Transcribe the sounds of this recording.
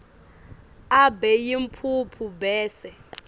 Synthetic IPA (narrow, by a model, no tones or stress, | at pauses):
abɛjimpʰupʰubɛːsɛ